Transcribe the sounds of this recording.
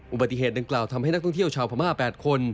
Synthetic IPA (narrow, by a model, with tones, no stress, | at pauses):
ʔu˨˩ba˨˩t̪ːi˧˩eː˨˩t̪̚da˧ŋklaː˨˩wt̪ʰa˧mha˥˩jna˥k̪̚ʰɔ˥˩ŋt̪i˥˩əwt͡ɕʰaː˧wpʰaː˧maː˥˩pɛː˨˩t̪̚kʰo˧n